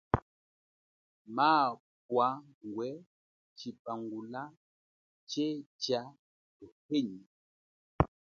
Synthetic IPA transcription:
maː | pwa | ŋɡwɛ | t͡ʃipaŋɡula | t͡ʃet͡ʃja | tɔheɲi

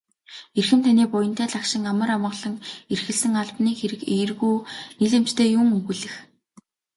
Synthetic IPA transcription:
erxɘ̆mt̪ʰaniːpʊjə̆n̥t̪ʰæːɮakʃɪ̆ŋamə̆ramə̆ɢɮə̆ŋerxɘ̆ɮsɘ̆ŋaɮpniːxeɾɘ̆kerɣuːniɮĕm̥t͡ɕt̪ʰeːjuŋɵxɘ̆ɮɘ̆x

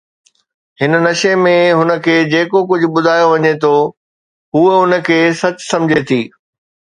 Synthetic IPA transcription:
ɦɪnənɐʃemẽɦʊnə̆kʰeːd͡ʑeːkokʊd͡ʑʱʊ̆ɓʊd̪ʱaːjoʋɐɲet̪ʰo | ɦuːʊnə̆kʰeːsɐt͡ɕsɐ̃md͡ʑʱet̪ʰiː

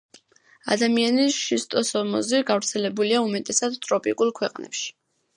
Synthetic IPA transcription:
a̰d̪amianiʃist̪ʼɔsɔmɔziɡavɾt̪sʰɛlɛbuliaumɛt̪ʼɛsad̪t̪ʼɾɔpʼikʼulˠkʰwɛqʼnɛ̰pʃi̥

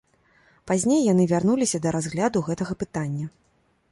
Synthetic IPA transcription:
pazʲnʲejːan̪ɨvʲarn̪ulʲisʲɐd̪ɐɾazɣlʲad̪uɣɛt̪ɐɣɐpɨt̪anʲːɐ

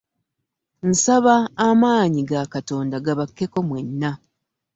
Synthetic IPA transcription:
n̩saβaːmaːɲiɡakato̞ːndaɡaβakːe̞ko̞mwenːa

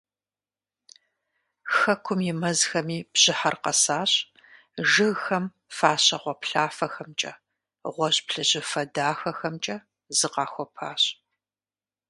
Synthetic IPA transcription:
xɐkʷʰʊmjɪmɐzxɐmiːb̥ɕɪħɐrqɐ̰saːɕ | ʒɨɣxɐm | faːɕɐʁʷɔpɬaːfɐxɐmt͡ʃʼɐ̰ | ʁʷɔʑpɬɨʑɪfɐdaːxɐxɐmt͡ʃʼɐ | zɨqɑːxʷɔpʰaːɕ

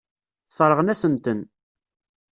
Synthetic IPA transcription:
sˤɾˤəʁənæsənt̪ən

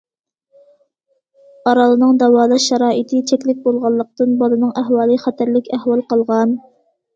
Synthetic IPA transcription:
ɑɾɑlˠɨnɨŋd̪ɑwɑːlˠɑʃɛɾɑːʔɨt̪ʰɨt͡ʃʰɛkʲlɪk̚ʲbolˠʁɑlˠːəq̚t̪ɨnbɑlˠɨnɨŋæɦwɑːlˠɨχɛt̪ʰæɾlɪkʲæhwɑlˠqɑlˠʁɑn

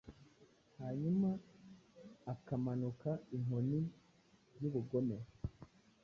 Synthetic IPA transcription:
haːɲuma | kamanukaiŋoni | juβuɡo̞me̞ɾo

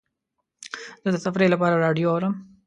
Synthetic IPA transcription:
zəd̪əsaɐfɾelapɑːɾaɾɑɖijoawɾəm

